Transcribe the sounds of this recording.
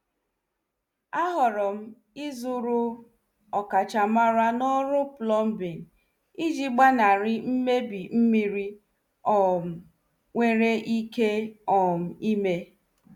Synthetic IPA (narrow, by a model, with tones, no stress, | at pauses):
a˦ɦɔ˨ɾɔ˨m̩˦ | i˦zu˦ɾʊ˦ | ɔ˨ka˨t͡ʃa˨ma˦ɾa˦nɔ˦ɾʊ˦plɔ˦m̩˦bi˨n̩˨ | i˦d͡ʒi˦ɡ͡ba˦na˨ɾɪ˦m̩˦me˦bi˨m̩˦mi˨ɾi˦ | ɔ˨m̩˨ | ŋʷe˦ɾe˦ʔi˦ke˦ɔ˨m̩˨i˦me˦